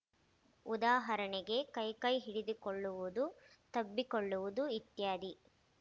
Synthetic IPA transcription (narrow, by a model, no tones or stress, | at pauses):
ud̪aːɦɐɾɐɳɛɡe̞kɐjkɐjɦiɽid̪ikoɭːuʋud̪ut̪ɐbːikoɭːuʋud̪uit̪jaːd̪i